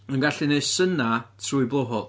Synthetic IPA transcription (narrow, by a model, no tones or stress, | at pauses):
ənɡaɬineɨsənatʰruːɨbˠoɦɔl